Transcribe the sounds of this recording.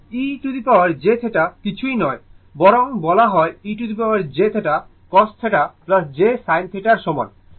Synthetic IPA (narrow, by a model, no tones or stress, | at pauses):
iʈud̪ipawaɾd͡ʑet̪ʰeʈakit͡ɕʰujnɔe | bɔɾoŋbɔlaɦɔeiʈud̪ipawaɾd͡ʑet̪ʰeʈa | kɔst̪ʰeʈaplasd͡ʑesajnt̪ʰeʈaɾʃɔmɔe